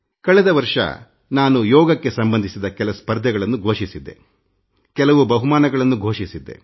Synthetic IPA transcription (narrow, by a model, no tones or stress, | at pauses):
kɐɭɛd̪ɐʋɐɾʂɐ̰ | naːnujɔːɡɐkːe̞sɐmbɐnd̪ʱisid̪ɐkɛlɐspɐɾd̪ʱɛɡɐɭɐnːuɡʱoːʂisid̪ːe̞̰ | kɛlɐʋubɐɦumaːnɐɡɐɭɐnːuɡʱoːʂisid̪ːe̞̰